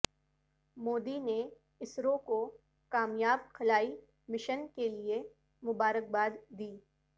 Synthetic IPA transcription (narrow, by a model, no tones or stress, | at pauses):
moːd̪ine | ɪsɾõko | kaːmjaːb̚xɐlaːi | mɪʃənkelie | mʊbaːɾək̚baːd̪ːiː